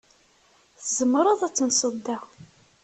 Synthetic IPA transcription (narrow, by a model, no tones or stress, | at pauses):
θzəmɾˤəðˤæt͡sːənsˤəd̪ːæ